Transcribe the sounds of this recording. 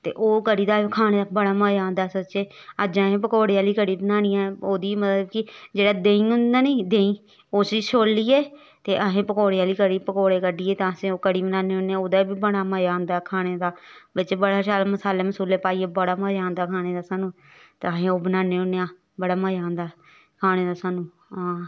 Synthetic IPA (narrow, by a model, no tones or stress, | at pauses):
t̪ḛːʔoːkəɽiːd̪aːkʰaːɽ̃eːd̪aːbəɽaːmaːjãːnd̪aːsət͡ʃeːəd͡ʒãːɦẽːpəkoːɽejaːliːkəɽiːbənaːñijãːoːd̪iːmət̪ləbkɪd͡ʒeːɽaːd̪eːĩːɦʊnd̪aːniːd̪ẽːĩː | oːsiːʃʰoːlːiːeː | t̪eːʔəɦẽːpəkoːɽejaːliːkəɽiːpəkoːɽeːkəɖiːeːt̪ãːsẽːoːkəɽiːbənaːneːʊneãːoːd̪aːibiːbəɽ̃aːməjãːnd̪aːkʰaːɽ̃eːd̪aːbət͡ʃːbəɽaːʃaːlaməsaːleːməsuːleːpaːiːeːbəɽaːməːd͡ʒaːnd̪aːkʰaːɽ̃eːd̪aːsaːnũː | t̪eəɦẽːoːbənaːneːʊneːãː | bəɽaːməjãːnd̪aː | kʰaːñeːd̪aːsaːnũː | ãː